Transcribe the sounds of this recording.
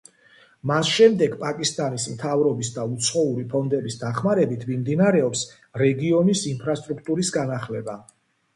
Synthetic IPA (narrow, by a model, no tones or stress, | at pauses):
masʃɛmd̪ɛɡpʼakʼist̪ʼanismt̪ʰavɾɔbisd̪aut̪sʰχɔuɾipʰɔnd̪ɛbisd̪aχmaɾɛbit̪ʰmimd̪inaɾɛɔps | ɾɛɡiɔnisinpʰɾast̪ʼɾukʰt̪ʼuɾisɡanaχlɛba